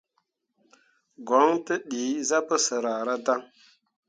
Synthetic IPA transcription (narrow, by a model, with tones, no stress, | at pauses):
ɡɔ˨˦ŋtə˦ɗi˨˦za˦pə˦sə˨ɾa˨ɾa˦da˦ŋ